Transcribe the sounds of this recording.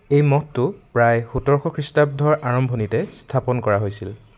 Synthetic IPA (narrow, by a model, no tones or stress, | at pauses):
ejmɔtːʊpɹajhutɔɹxʰɔkʰɹistab̚dʱɔɹʔaɹɔmbʱonitɛstʰapɔnkɔɹaɦojsil